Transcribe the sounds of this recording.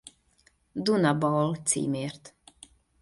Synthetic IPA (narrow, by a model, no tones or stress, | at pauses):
d̪unabɔlt͡sḭːmeːɾt̪